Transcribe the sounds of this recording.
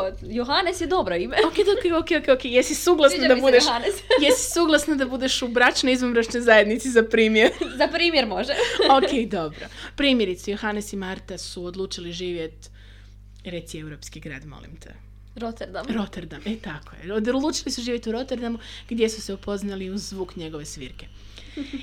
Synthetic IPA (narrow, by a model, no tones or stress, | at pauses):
joɦanesjed̪obɾoimeoked̪okeokejokejokejesisuːɡlˠasnad̪abud̪eʃanesjesi̥suːɡlˠasnad̪abud̪eʃubɾat͡ʃnoizʋomɾaʃt͡ʃnojzajed̪nit̪sizapɾiːmjeɾzapɾiːmjeɾmoʒeokejd̪o̞bɾopɾiːmje̞ɾit̪sejoxanesimaɾt̪asuod̪lˠuːt͡ʃiliʒiːʋje̞t̪ | ɾe̞t̪siewɾo̞pskiɡɾa̰ːd̪mo̰lḭmt̪ʰḛ | ɾot̪eɾd̪aɾot̪eɾd̪amet̪akʰojḛod̪lˠuːt͡ʃilisuʒiːʋjet̪uɾo̞t̪eɾd̪amuɡ̥d̪je̞suseupʰo̞znaliuzzʋuːkɲe̞ɡo̞ʋe̞sʋḭɾke̞